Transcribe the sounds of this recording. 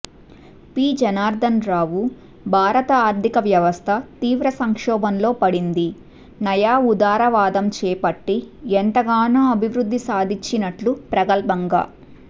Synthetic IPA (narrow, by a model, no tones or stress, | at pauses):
piːd͡ʒɐnaːɾd̪ʱɐnɾaːʋu | bʱaːɾɐt̪ɐaːɾd̪ʱikɐʋjɐʋɐst̪ʰɐt̪iːʋɾɐsɐŋkʂɔːbɐnlo̞ːpɐɽind̪i | nɐjaːud̪aːɾɐʋaːd̪ɐmt͡ʃɛːpɐʈːiɛnt̪ɐɡaːnoːɐbʱiʋɾud̪ʱːisaːd̪ʱiɲt͡ʃːinɐʈlupɾɐɡɐlbɐŋɡa̰ː